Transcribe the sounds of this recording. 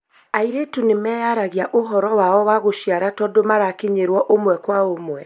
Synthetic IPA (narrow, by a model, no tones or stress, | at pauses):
aiɾetunemɛːjaɾaɣiaʔoɦɔɾɔwaɔwaɣoʃiaɾatɔdomaɾakeɲeɾwɔʔomwɛkwaomwɛ